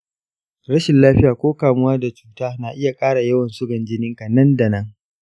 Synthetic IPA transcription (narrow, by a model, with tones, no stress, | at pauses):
ɽɐ˦ʃɪ˨nlaː˦ɸɪ˦jaː˨kʷoː˦kaː˨mʊ˦waː˦da˨t͡ʃu̥ː˦taː˦na˨ʔɪ˦ja˨kʼaː˦ɽa˨jɐ˦wɐ˨nsʊ˦ɡɐ˨nd͡ʒɪ˦nɪ˦ŋka˨nɐ˦nda˨nɐ˦ŋ